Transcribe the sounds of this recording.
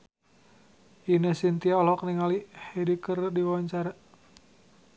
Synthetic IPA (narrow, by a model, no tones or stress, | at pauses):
inəsint̪iaɔlɔkniŋalihedikərdiwawaɲt͡ʃaɾa